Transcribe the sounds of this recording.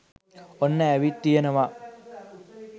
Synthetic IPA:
onːəːʋit̪ːijənəʋa

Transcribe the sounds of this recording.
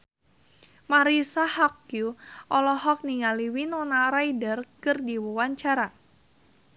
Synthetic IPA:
maɾisahɔkjuʔɔlɔhɔk̚niŋaliwinɔnaɾaidərkɨrdiwɔwaɲt͡ʃaɾa

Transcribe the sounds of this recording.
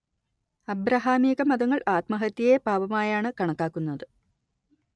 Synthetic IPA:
ɐbɾɐɦaːmiːɣɐmɐðɐŋːɐɭaːt̪mɐɦɐt̪ːjɐjepaːʋɐmaːjaːɳɨkɐɳɐkːaːkːunːɐðɨ

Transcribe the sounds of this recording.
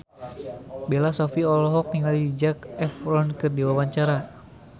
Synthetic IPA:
belasɔfiɔlɔɦɔk̚t̪iŋalidid͡ʒakɛfɾɔnkɨrdiwawaɲt͡ʃaɾa

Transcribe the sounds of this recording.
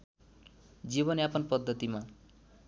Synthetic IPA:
d͡ziβʌnapʌnpʌd̪ːʌt̪ima

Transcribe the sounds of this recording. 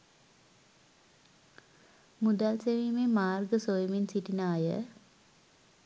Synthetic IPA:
mud̪alseʋiːmemaːrɡəsojminsiʈinaːjə̰

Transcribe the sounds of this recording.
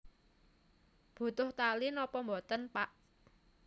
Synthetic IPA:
b̥ṳt̪ʊht̪alinɔpɔmbɔt̪ənpaʔ

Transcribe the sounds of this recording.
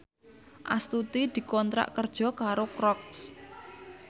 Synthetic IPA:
ʔa̰st̪ut̪id̪̥i̤kɔnt̪ɾa̰ʔkərd̥ʒ̥ɔ̤kaɾokɾɔks

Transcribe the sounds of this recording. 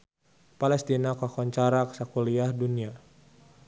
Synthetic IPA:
palɛst̪inakakɔɲt͡ʃaɾaksakuliahdunia

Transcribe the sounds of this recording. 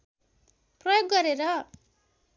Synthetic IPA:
prʌjoɡːʌɾeɾʌ

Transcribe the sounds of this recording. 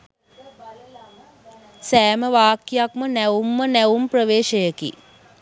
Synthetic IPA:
sæːməʋaːkjakmənæʋumːənæʋumprəʋeːʃəjəkḭ

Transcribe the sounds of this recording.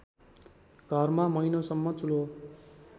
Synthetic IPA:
ɡ̥ʱʌrmamʌjnosʌmːʌt͡sulo

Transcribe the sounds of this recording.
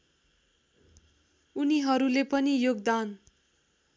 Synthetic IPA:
uniɦʌɾulepʌnijoɡd̪an

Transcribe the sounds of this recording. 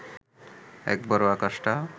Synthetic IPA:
ɛ̰k̚bɔɾoakaʃʈa

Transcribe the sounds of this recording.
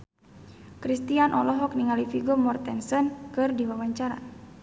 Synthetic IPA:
kɾist̪ianʔɔ̰lɔɦɔk̚niŋalifiɡɔmɔrt̪ɛnsɔnkɨrdiwawaɲt͡ʃaɾa̰

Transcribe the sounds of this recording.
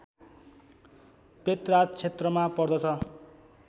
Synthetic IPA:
pet̪rat͡sʰet̪rʌmapʌrd̪ʌt͡sʰʌ

